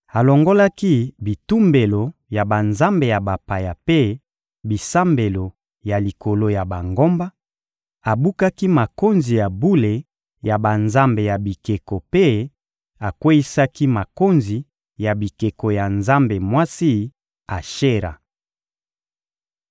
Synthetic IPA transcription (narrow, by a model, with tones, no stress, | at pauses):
a˨lo˨ŋɡo˦la˦ki˦bi˨tu˦mbe˨lo˨ja˨ba˨nza˦mbe˨ja˨ba˨pa˨ja˨pe˦ | bi˨sa˦mbe˨lo˨ | ja˨li˨ko˨lo˦ja˨ba˨ŋɡo˦mba˦ | a˨bu˦ka˦ki˦ma˨ko˦nzi˨ja˨bu˦le˨ | ja˨ba˨nza˦mbe˨ja˨bi˨ke˨ko˨pe˦ | a˨kwe˦ji˦sa˦ki˦ma˨ko˦nzi˨ | ja˨bi˨ke˨ko˨ja˨nza˦mbe˨mwa˦si˦ | a˨ʃe˦ɾa̰˨